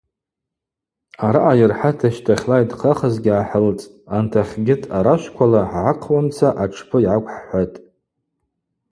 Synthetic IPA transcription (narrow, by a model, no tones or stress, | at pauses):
aɾaʔajɪrħatʰaʃtʰaχʲlajdqʰaχazɡʲɪaħəlt͡sʼ | antʰaχʲɡʲɪtʼʰaɾaʃʷkʷʰalaʕʕaqʰwant͡sʰaʔaʈ͡ʂʰpʰɨiʕakʷʰʼħħʷatʼ